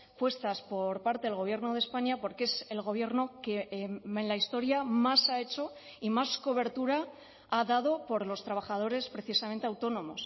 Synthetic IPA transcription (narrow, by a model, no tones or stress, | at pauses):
pwe̞st̪aspo̞ɾpaɾt̪e̞ðelɣ̞o̞β̞je̞ɾno̞ð̞espaɲapo̞ɾke̞se̞lɣ̞o̞β̞je̞ɾno̞keenlaist̪o̞ɾjamasae̞t͡ʃo̞ | imasko̞β̞e̞ɾt̪uɾa | aðað̞o̞po̞ɾlo̞st̪ɾaβaχað̞o̞ɾe̞spɾe̞θisament̪e̞awt̪o̞nõ̞mo̞s